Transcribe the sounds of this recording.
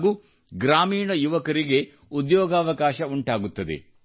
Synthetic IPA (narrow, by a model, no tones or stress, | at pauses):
ɡuː | ɡɾaːmiːɳɐjuʋɐkɐɾiɡe̞ | ud̪jɔːɡaːʋɐkaːʃɐuɳʈaːɡut̪ːɐd̪ḛ